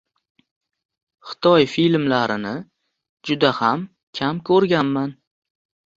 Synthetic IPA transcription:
χɪ̥t̪ʰɒjfilmlaɾɪnɪ | d͡ʒʊd̪aham | kʲʰamkʰɵɾɡʲanman

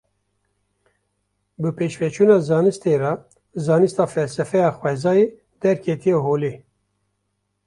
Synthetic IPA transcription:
bɨpeːʃvɛt͡ʃʰuːnɑːzɑːnɨst̪eːɾɑ | zɑːnɨst̪ɑːfɛlsɛfɛjɑːxwɛzɑːjeː | d̪ɛɾkʰeːt̪ijeɦoːleː

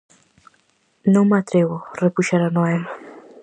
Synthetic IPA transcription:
nõw̃mat̪ɾeβʊrepuʃaɾanoɛma

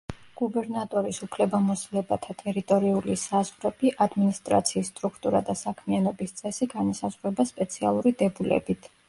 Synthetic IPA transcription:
ɡ̥ubɛɾnat̪ʼɔɾisupʰlɛbamɔslɛbat̪ʰat̪ʼɛɾit̪ʼɔɾiulisazʁɾɛb̥iʔad̪minist̪ʼɾa̰t̪sʰiːsːt̪ʼɾukʰt̪ʼuɾa̰d̪asakʰmianɔbist̪sʼɛsiɡanɔsazʁɾɛbaspʼɛt̪sʰialˠuɾid̪ɛbulɛ̰bit̪ʰ

